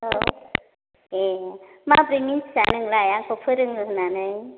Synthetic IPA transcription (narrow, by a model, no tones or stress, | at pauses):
o | e | mabɾiminssanɯŋlajakʰopʰɯɾɯŋɯknanɯj